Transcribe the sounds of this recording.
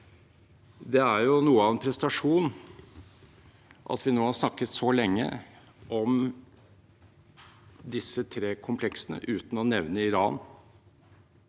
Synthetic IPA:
d̪ɛæɾjʊnuːəɑʋɛnpʰɾɛsət̪ɑʂuːn | ʔɑ̰t̪ʋɪnoːhɑɾʂnɑkːət̪sɔlɛŋːə̰ | ʔɔm | d̪ɪsːət̪ʰɾeːkʰʊmpʰlɛksənə̰ʔʉːt̪n̩ɔnɛʋnəɪɾɑ̰ːn

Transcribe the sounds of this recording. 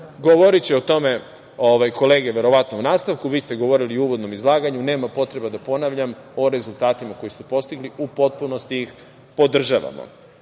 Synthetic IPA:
ɡoʋoɾit͡ɕeot̪o̞me̞ | oʋajko̞le̞ːɡeʋe̞ɾo̞ʋat̪nounaːst̪aʋkuʋiːst̪e̞ɡo̞ʋo̞ɾiliouːʋo̞d̪no̞mizlˠaːɡaɲune̞ːmapo̞t̪ɾe̞bad̪apo̞naʋʎamo̞ɾe̞zulˠt̪aːt̪imako̞jisepo̞st̪iɡliupo̞t̪̚punost̪iix | po̞d̪r̩ʒaʋa̰mo̰

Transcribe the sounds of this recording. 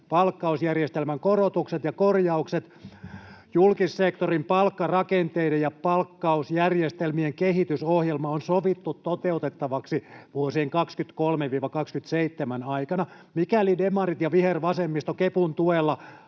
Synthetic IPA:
pɑlkːɑusjærjest̪elmæŋkorot̪ukset̪jɑkorjɑukset̪ | julkisːekt̪orimpɑlkːɑrɑkent̪eidejɑpɑlkːɑusjærjest̪elmieŋkehit̪ysohjelmɑonsoʋit̪ːut̪tot̪eut̪et̪ːɑʋɑksiʋuosiːŋkɑkskyt̪kolmeʋiːʋɑkɑkskyt̪seit̪ːemænɑikɑnɑ | mikælidemɑrit̪jɑʋiherʋɑsemːist̪okepunt̪uelːɑ

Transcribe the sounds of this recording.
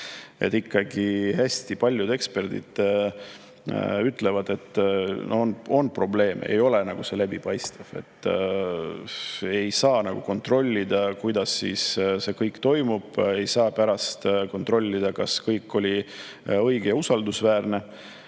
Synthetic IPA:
ʔe̞t̪ːˑikːɑɡihæsʲt̪ipɑlʲjud̪e̞kspe̞rd̪̥ḭd̪̥ | yt̪ːˑle̞vɑd̪̥e̞t̪ːˑnʔoono̞npro̞ble̞ːmeḛjo̞lenɑɡ̥use̞læbipɑjst̪ɑv̥e̞̰t̪ˑː | e̞jsɑːnɑɡ̥uko̞nt̪ro̞lʲːid̪̥ɑkujd̪̥ɑsːḭːsse̞kɤjkːt̪o̞jmub̥e̞jsɑːpæɾɑst̪ko̞nt̪ro̞lʲːid̪̥ɑkɑskɤjkːo̞lʲi | ɤjɡ̥ejɑusɑld̪usvæːrne̞

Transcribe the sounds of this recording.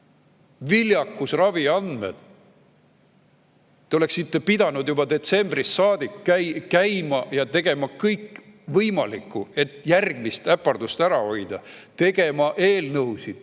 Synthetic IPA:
viljɑkˑːusrɑviɑnd̪̥mḛd̪̥ | eo̞le̞ksit̪ːepid̪̥ɑnud̪jubɑd̪e̞t̪se̞mbrisːɑːd̪̥ikːækæjmɑjɑt̪e̞ɡ̥e̞mɑkɤjkː | vɤjmɑlikːˑue̞t̪ːˑjærɡ̥mist̪æpːɑrd̪ust̪æɾɑo̞jd̪̥ɑt̪e̞ɡ̥e̞mɑʔe̞ːlnɤwsid̪̥

